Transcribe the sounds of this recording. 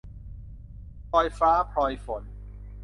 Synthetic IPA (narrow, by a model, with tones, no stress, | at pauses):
pʰɔː˧jfaː˦˥pʰɔː˧jfo˨˩˦n